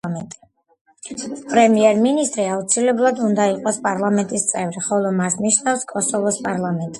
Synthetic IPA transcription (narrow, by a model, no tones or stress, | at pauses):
ɛnt̪ʼi | pʼɾɛmiɛɾminist̪ʼɾiaut̪sʰilɛblˠad̪und̪aiqʼɔspʼaɾlˠamɛnt̪ʼist̪sʼɛvɾiχɔlˠɔmasniʃnafskʼɔsɔvɔspʼaɾlˠamɛnt̪ʼi